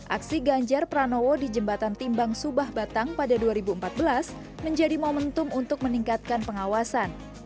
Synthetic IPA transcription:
ʔa̰ksiɡaɲd͡ʒarpɾanowodid͡ʒəmbat̪ant̪imbaŋsubahbat̪aŋpadaduaɾibuəmpat̪̚bəlas | məɲd͡ʒadimomənt̪ʊmunt̪ʊk̚məniŋkat̪̚kanpəŋawasan

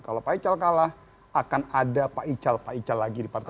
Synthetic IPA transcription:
kalawpait͡ʃalkalah | akanadapaʔit͡ʃalpait͡ʃalːaɡidipart̪

